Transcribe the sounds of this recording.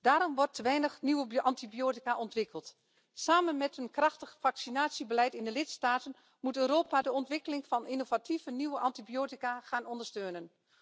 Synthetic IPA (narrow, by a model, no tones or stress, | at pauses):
d̥aːɾɔmʋɔrtːəʋɛjnəxniwəʔɑntibijoːtikaʔɔntʋɪkəlˠt | saːmənmɛtɦənkrɑxtəχfɑksinaːtsibəlɛjtɪndəlɪtstaːtən | mutøːɾoːpadəɔntʋɪkəlɪŋfɑninovatʰivəniʋəʔɑntibjoːtikaχaːnɔndərstøːnən